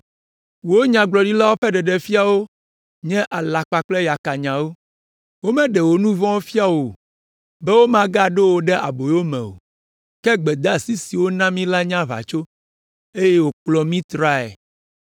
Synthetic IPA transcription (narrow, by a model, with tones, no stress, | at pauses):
wo˦ɲã˨ɡ͡blɔ˨ɖi˦la˦wo˦ɸɛ˦ɖɛ˨ɖɛ˨fi˦a˨wo˦ | ɲɛ̃˦ʔa˨la˨k͡pa˨k͡plɛ˦ja˨ka˨ɲã˨wo˦ | wo˦mɛ̃˦ɖɛ˨wo˨nũ˦vɔ̃˦wo˦fi˦a˦wo˨ | bɛ˦wo˦mã˦ɡa˦ɖe˦wo˦ɖɛ˦ʔa̰˨bo˨jo˦mɛ̰̃˨wo̰˨ | kɛ˦ɡ͡bɛ˨d̪a˦˨si˦si˨wo˦nã˦mĩ˦la˦ɲã˦βa̰˨t͡ʃo˦ | e˦je˦wo˨k͡plɔ˦mĩ˦t̪ɾa˦ḛ˨